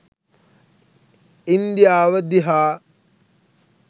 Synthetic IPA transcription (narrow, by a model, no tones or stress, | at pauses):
ind̪ijaːʋəd̪iɦaː